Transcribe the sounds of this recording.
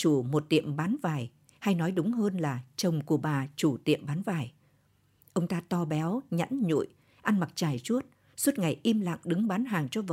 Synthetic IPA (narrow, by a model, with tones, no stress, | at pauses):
t͡ɕu˧˩mo˨˩t̚t̪ḭ˧˨əmɓaː˨˦nvaː˨˩j | ha˧jnɔ˨˦jɗʊ˨˦ŋ͡mɦəː˧nlaː˨˩t͡ɕə˨˩wŋ͡mku˧˩əɓaː˨˩t͡ɕu˧˩t̪ḭ˧˨əmɓaː˨˦nvaː˨˩j | ʔə˧wŋ͡mt̪aː˧t̪ɔ˧ɓɛ˨˦wɲə̰˧˥nɲṵ˧˨j | ʔa˧nma˨˩t̚t͡ɕaː˧˩jt͡ɕu˦˥ət̚ | su˦˥t̚ŋa˨˩jʔi˧mla̰ː˧˨ŋɗɨ˨˦ŋɓaː˨˦nɦaː˨˩ŋt͡ɕɔ˧və˨